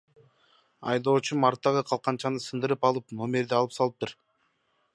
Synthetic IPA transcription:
ɑ̰jd̪o̞ːt͡ʃumɑɾt̪ːɑʁɯqʰɑlˠqɑnt͡ʃɑnɯsɯnd̪ɯɾɯpɑlˠɯpno̞mʲe̞ɾd̪eɑlˠɯpsɑlˠɯp̚t̪ɯɾ

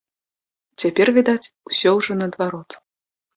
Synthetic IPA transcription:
t͡sʲapʲɛrvʲid̪at͡sʲusʲɔwʐɔnɐːd̪vaɾɔt̪

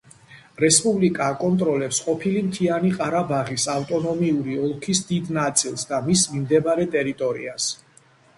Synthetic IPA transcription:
ɾɛspʼublikʼaːkʼɔnt̪ʼɾɔlɛpsqʼɔpʰilimt̪ʰianiqʼaɾabaʁisaft̪ʼɔnɔmiuɾiɔlˠkʰisd̪id̪nat̪sʼilˠsd̪amismimd̪ɛbaɾɛt̪ʼɛɾit̪ʼɔɾḭas

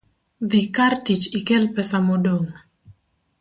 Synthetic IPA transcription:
ðikartit͡ʃɪkɛlpɛsamodoŋ

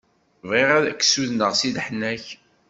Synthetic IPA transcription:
vʁiʁæðækːsuðnəʁsiðħnːæç

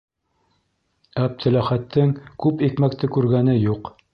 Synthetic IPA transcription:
æb̚t̪ʰɘ̆læχæt̪ʰːɘŋkʉpikmæk̚t̪ɘkʉɾɡænɘjuq

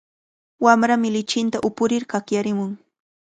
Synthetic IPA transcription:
wamɾamɪlɪt͡ʃɪnt̪aʔʊpʊɾɪɾkakjaɾɪmʊŋ

